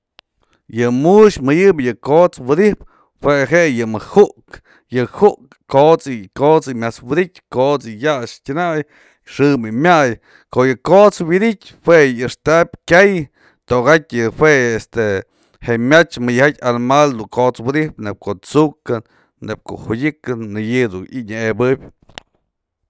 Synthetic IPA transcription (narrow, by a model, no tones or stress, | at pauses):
jɨmuʃmɨjɨbjɨkot͡swɨd̪ihp | hweɦeʔjɨmɨhuʔk | jɨhuʔkː | ot͡sɨkot͡sɨmʲat͡swid̪it̚ʲkot͡sɨjaʔʂtʲɨnaj | ʂɨmɨmʲaj | koʔjɨkot͡swid̪itʲhweɨʂt̪ap̚ʲkʲaj | t̪oʔɣatʲjɨhweest̪e | heʔmʲat͡ʃmɨjhat̪ʲanmald̪uŋkot͡swid̪ipnep̚kot͡sukɨnː | ep̚ko̰ʔhudʲɨkɨnːɨjɨd̪uniɲaebɨbʲ